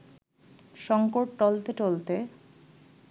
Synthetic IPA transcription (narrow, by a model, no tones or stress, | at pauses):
ʃɔŋkoʈʈolt̪et͡ʃolt̪e